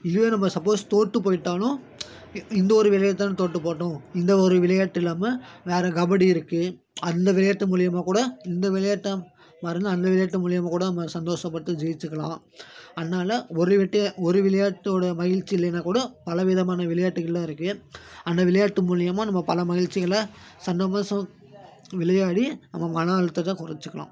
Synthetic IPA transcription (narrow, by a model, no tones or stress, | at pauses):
ɪðɯʋenɐmːɐsɐpːoːst̪oːʈːɯpoːjɪʈːaːlʊ̃ | ɪnd̪ɐɔɾɯʋɪlɐjɐt̪ːaːnt̪oːʈːɯpoːʈːõɪnd̪ɐɔɾɯʋɪlɐjaʈːɪlaːmɐʋeːɾɐɡɐʋɐɽiɪɾɯkːɯ | ɐnd̪ɐʋɪɭɐjaːʈːɯmuːlɪjɐmaːkuːɽɐɪnd̪ɐʋɪlɐjaːʈːɐ | maːɾɯnd̪aɐnd̪ɐʋɪɭɐjaːʈːɯmuːɭɪjɐmaːkuːɽɐnɐmːɐsɐnd̪oːʂɐpːɐɽɯt̪ːɯd͡ʒɛjɪt͡ʃːɯkːɐɭã̰ː | ɐðnːaːlɐɔɾɯʋɪʈːɐɔɾɯʋɪlɐjaːʈːɯoːɽɐmɐɣɪɻt͡ʃːɪɪlːɐnɐkuːɽɐpɐlɐʋɪðɐmaːnɐʋɪɭɐjaːʈːɯɣɐɭːɐːɪɾɯkːɯɐnd̪ɐʋɪlɐjaːʈːɯmuːɭɪjɐmaːnɐmːɐpɐlɐmɐɣɪɻt͡ʃːɪɣɐɭɐsɐnd̪ɐmɐsɐ̃ | ʋɪlɐjaːɽinɐ̰mːɐmɐɳɐɐɻɯt̪ːɯt̪ːãːkʊɾɐt͡ʃːɯkːɐɭã̰ː